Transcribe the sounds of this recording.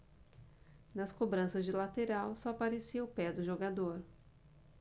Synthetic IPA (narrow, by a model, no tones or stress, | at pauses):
nɐskobɾɐ̃sɐzd͡ʒɪlat̪eɾawsɔapaɾesiɐʊpɛd̪ʊʒoɡad̪oɾ